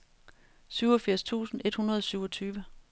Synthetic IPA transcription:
syʊɒ̽fiɐ̰st͡sʰṵːsn̩e̝d̥hunɐð̞ˠɒsyʊ̰ɒt͡sʰyːʋə

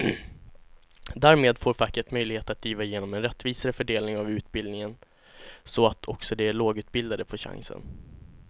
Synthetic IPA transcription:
d̪æːɾmeːd̪foːɾfakːəʈ̪mœjlɪɡheːt̪at̪̚d̪iːvaɪjeːnɔmɛnɾɛt̪ːviːsaɾəfœɖeːlnɪŋavʉ̟ːt̪bɪld̪nɪŋən | sɔat̪ʰɔksɔd̪ɛæɭoːɡʉ̟ːt̪bɪld̪ad̪əpʰɔɕa̰ŋsə̰n

